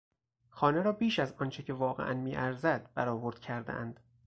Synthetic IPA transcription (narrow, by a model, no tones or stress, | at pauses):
xɒːneɾɒːbiːʃæzɒːnt͡ʃʰecʰe̞vɒːɣeʔænmiːʔæɾzæd̪̥̚b̥æɾɒːvoɾd̪̥̚cʰæɾd̪ḛʔæ̰nd̪̥